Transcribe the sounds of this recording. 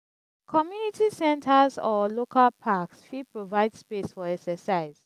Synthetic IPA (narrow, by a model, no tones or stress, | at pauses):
kʰɔmjunitʰisɛ̃ntʰəzɔlokʰalpʰaksfipɹovaɪdspesfɔɛksəsaɪz̥